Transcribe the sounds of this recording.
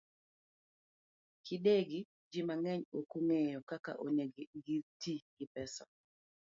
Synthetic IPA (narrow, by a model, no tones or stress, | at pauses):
kɪdeɡi | d͡ʒɪmaŋɛɲokuŋejɔkaka̰ʔoneɡitiɡɪpɛsa